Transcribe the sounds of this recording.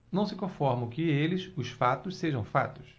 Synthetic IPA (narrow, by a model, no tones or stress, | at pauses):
nɐ̃w̃sɪkõfɔɾmɐ̃w̃kɪelɪʃʊsfat̪ʊsseʒɐ̃w̃fa̰t̪ʊ̥s